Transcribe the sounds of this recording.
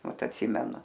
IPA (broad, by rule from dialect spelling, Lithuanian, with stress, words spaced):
ˈmɐt ɐtʲˈsʲɪmʲɛnʊ